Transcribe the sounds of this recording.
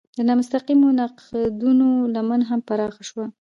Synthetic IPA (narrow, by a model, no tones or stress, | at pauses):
d̪ənɑmʊst̪aqimonɑqd̪unolamanɦampaɾɑxaʃwa